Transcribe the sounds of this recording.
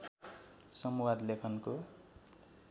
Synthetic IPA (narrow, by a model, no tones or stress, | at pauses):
sʌmuwad̪lekʰʌnko